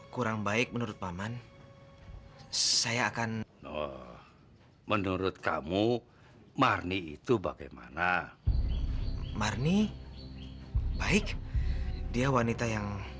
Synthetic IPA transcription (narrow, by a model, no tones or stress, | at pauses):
kuɾaŋbaɪk̚mənuɾʊt̪̚maman | sajaːkannɔ | mənuɾʊt̪̚kamu | marniḭt̪ubaɡa̰jma̰na | marni | baɪk | diawanit̪ajaŋ